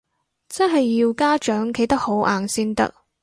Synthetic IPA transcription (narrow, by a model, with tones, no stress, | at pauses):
t͡sɐ˥nɦɐ˨jːiː˧wkaː˥t͡ʃœː˨˥ŋkʰe˨˧˥jt̪ɐ˥k̚ho˨˥wʔaː˨nsiː˥nt̪ɐ̰˥k̚